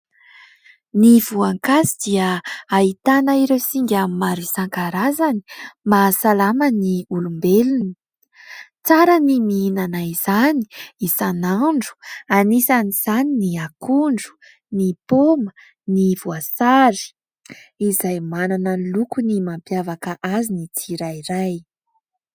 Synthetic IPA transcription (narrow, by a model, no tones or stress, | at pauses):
nivuaŋkazid̪̥iəait̪anaiɾewsiŋɡʲamimaɾisaŋkaɾazani̥masalaməniulumbelunni̥ | t͡saɾənimiinanaiz̥ani̥isanaɳɖ͡ʐu̥anisaniz̥aniniakuɳɖ͡ʐu̥ | nipomə | nivuasaɾi̥ | izajmananəlukunimampjavakəʔazinit͡siɾajiɾaj